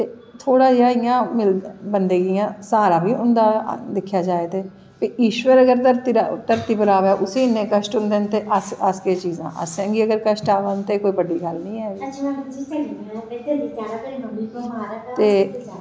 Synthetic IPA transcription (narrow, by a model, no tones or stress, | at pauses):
t̪eː | t̪ʰoːɽaːaːɪjãːmɪlbənd̪eːɡɪjãːsaːɾãːbiːʊnd̪aːd̪ɪkʰjaːd͡ʒaːeːt̪eː | piːiːʃwəɾəɡəɾt̪əɾt̪it̪əɾt̪iːpəɾaːʋɛːʔʊsiːnẽːkəʃʈʊnd̪eːnt̪eːʔəsəskeːt͡ʃiːzã̰ːʔə̰sɛ̃ːɡiːəɡəɾkəʃʈaːʋənt̪eːkoːiːbəɖiːɡəlnəĩːɦɛːɡi | əmiaɾt̪eː